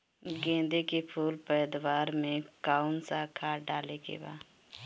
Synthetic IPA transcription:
ɡẽːnd̪ekepʰuːlpəːd̪waːɾmẽkaːʊnsakʰaːɖaːlekḛba̰ː

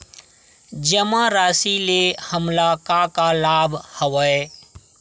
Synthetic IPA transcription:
d͡ʒəmãɾaːsilehəmlakakalaːbʱhəwəe

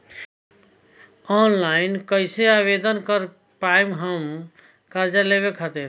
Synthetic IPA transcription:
ɔnlaɪnkəɪseabed̪ənkəɾ | pajmɦəm | kəɾd͡ʒaleβekɦət̪ɛ̃

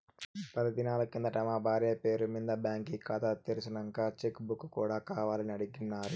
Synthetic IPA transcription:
pɐd̪ɐd̪inaːlɐkkind̪ɐʈɐmaːbʱaːɾeːpe̞ːɾumind̪ɐbjaːŋkikaːt̪ɐt̪ːeɾisinɐŋkaːt͡ʃekbukːukːuːɽaːkaːʋaːlɐniɐɽiɡinːaːɾu

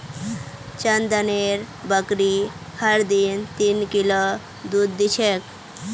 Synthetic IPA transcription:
t͡ɕand̪aneɾ | bəkɾi | haɽd̪int̪inkilɔ | d̪ud̪ːit͡ɕʰek

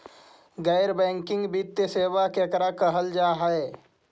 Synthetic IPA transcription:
ɡəɪɾbɛ̃ːŋkɪ̃ŋɡbit̪jəseːʋakekəɾakəɦəld͡ʒaːɦəe

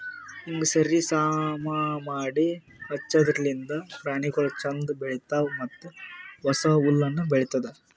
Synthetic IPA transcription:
iŋɡesɐɾisaːmɐmaːɽi | hɐt͡ʃːɐd̪ɾɐlind̪ɐpɾaːɳikulɐt͡ʃɐnd̪bɛɭit̪ːaːmɐt̪ːuʋɐsɐulːɐnːubɛɭit̪ːɐd̪e

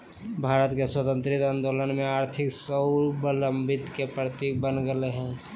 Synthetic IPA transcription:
bʱaːɾət̪keswət̪ə̃nt̪ɾit̪and̪olənmeaːɾt̪ʰiksəʊbələmbʱit̪kepɾət̪ik̚bənɡəleɦɛ̃

